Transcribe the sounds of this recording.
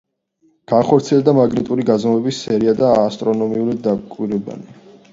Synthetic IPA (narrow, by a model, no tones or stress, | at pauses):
ɡ̥aχɔɾt̪sʰiɛld̪amaɡnit̪ʼuɾiɡazmɔvɛbisːɛɾiad̪aːst̪ʼɾɔnɔmiulid̪akʼwiɾɛba̰ni